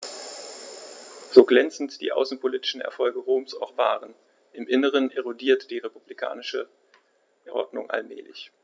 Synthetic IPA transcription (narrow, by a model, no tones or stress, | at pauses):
z̥oːɡlɛnt͡sn̩td̥ḭːʔa̰ʊsn̩pʰoliːtɪ̥ʃn̩ɛ̰ɐfɔlɡəʁoːmsa̰ʊxv̥aːʁən | ʔɪmʔɪnəʁ̞ənʔeʁodiːɐtd̥iːʁepublikʰa̰ːnɪʃə | ɛʔɔ̰dnʊ̰ŋʔa̰lmɛ̰ːlɪ̰ç